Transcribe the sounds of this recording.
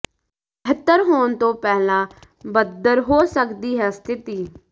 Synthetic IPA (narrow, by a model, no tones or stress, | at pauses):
ɪt̪ːəɾɦoːɳt̪õːpɛːlãː | bəd̪əɾɦoːsəkd̪iːɦɛːst̪ʰɪt̪iː